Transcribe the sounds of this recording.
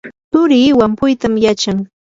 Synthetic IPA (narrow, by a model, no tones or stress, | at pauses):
t̪ʊɾɪːwampʊjt̪amjat͡ʃaŋ